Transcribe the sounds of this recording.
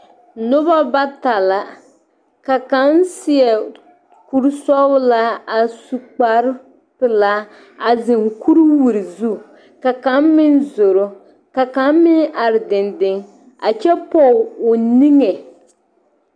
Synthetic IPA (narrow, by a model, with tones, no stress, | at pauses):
nʊ˦ba˦ba˦ta˨la˨ | ka˨ka˦nsɪ˦ɛ˨ | ku˦ɾsɔ˦wla˦a˨su˨k͡pa˨ɾ | pɪ˨la˦ | a˨zɪ˨ŋku˦ɾwu˨ɾi˨zu˦ | ka˨ka˦mmɪ˦nzo˨ɾo˨ | ka˨ka˨˦mmɪ˦ʔa˨ɾɪ˨dɪ˨ndɪ˦ŋ | a˨t͡ʃɛ˦pɔ˦˨ʊ˨ni˦ŋɛ˨